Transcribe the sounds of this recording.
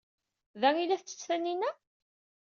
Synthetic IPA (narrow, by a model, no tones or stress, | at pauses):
ðæŋilæθt͡sːə̥t͡sːθænːinæ